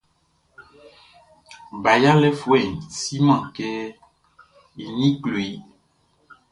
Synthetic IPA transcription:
ba˨ja˦le˦fo˦e˨si˦mã˨ke˦ | i˨nĩ˦klo˨i˦

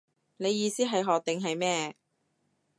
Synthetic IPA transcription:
ne˨˧jːiː˧siː˥ɦɐ˨jɦɔː˨k̚t̪ɪ˨ŋɦɐ˨jmɛː˥

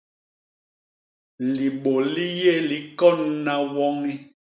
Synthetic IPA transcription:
li˨ɓo˨li˦je˦˨li˨˦kɔ˦n˦na˦wɔ˦ŋi˦

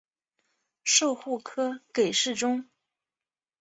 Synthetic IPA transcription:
ʂo˥˧ʊxu˥˩kʰɤ˥ke˨˩ɪʂɻ̩˥˩ʈ͡ʂʊ˥ŋ

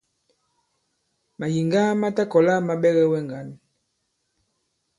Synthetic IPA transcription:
ma˨ji˨ŋɡa˦ma˦ta˦kɔ˨la˦ma˦ɓɛ˦ɣɛ˦wɛ˦ŋɡa˨˦n˨

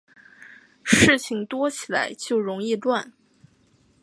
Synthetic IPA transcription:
ʂɻ̩˥˩t͡ɕʰi˥˩ŋt̪wɔ˥t͡ɕʰi˨˩la̰˧˥ɪt͡ɕjo˥˩ʊɻʊ˧˥ŋi˥˧lwa˥˩n

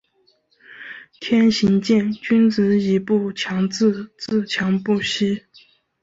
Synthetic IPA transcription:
t̪ʰjɛ˥nɕi˧˥ŋt͡ɕjɛ˥˩nt͡ɕy˥nt͡sɹ̩˧˥i˧˥pu˥˩t͡ɕʰjɑ˧˥ŋt͡sɹ̩˥˧t͡sɹ̩˥˩t͡ɕʰjɑ˧˥ŋpu˥˩ɕi˥

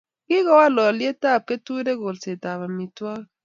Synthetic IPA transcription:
ki˦ɣɔ˦wa˦lɔ˨lje˦ta˦˨p̚ke˦tu˦de˦ɣo˨lse˨ta˨βa˨mi˨twa˦

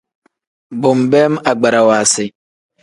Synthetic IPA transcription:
bʊ˨mbɛ˦ma˨ɡ͡ba˨ɾa˨waː˨sɪ˨

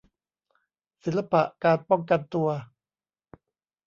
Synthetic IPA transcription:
si˩˦nla˧pa˨ʔkaː˧npɔ˥˩ŋka˧nt̪u˧ɐ

